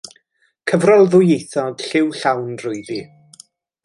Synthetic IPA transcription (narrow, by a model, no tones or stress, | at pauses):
kʰəvrɔlˠðʊjejθɔd̥ɬɪwɬawnrʊɨði